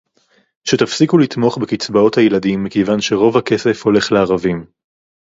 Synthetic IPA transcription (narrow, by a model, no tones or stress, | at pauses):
ʃet̪afsikulit̪mo̞χbekit͡sbao̞t̪hajeladimːekejvanʃe̞ʁo̞vhake̞se̞fho̞le̞χleaʁavim